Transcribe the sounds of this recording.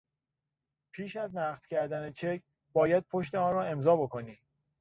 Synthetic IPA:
pʰiːʃæznæːʁd̪̥cʰæɾd̪ænet͡ʃʰekʰ | b̥ɒːjæd̪̚pʰoʃt̪eɒːnɾɒːe̞mzɒːbo̞koniː

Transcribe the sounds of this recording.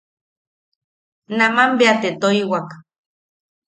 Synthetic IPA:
namambeat̪et̪oiwak

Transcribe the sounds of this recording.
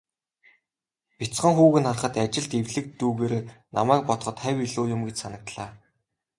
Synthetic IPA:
pʲit͡sχə̆ŋxuːɣɘ̆nχarχə̆t̪at͡ɕɪ̆ɮt̪ewɮɘ̆k̚t̪uːɣeːɾeːnamæːk̚pɔt̪̆χɞ̆t̪χæwʲiɮoːjʊmɡet͡ɕsanə̆k̚t̪ɮaː

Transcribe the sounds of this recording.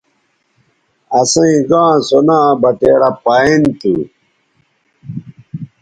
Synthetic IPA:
ɐsɐ̃ĩɡãːsonãːbɐt̪eːɾapaint̪ṵ

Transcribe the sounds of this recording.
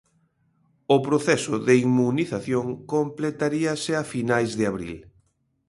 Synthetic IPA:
ʊpɾoθɛsʊðeimuniθaθjoŋkomplet̪aɾiɐsɪafinajzðɪaβɾḭl

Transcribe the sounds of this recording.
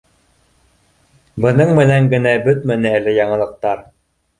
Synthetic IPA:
bɤ̆nɤɴmɘ̆næŋɡɘ̆næbɵt̪mænɘ̆ɘlɘjɑɴɤ̆lˠɤ̆q̚t̪ɑɾ

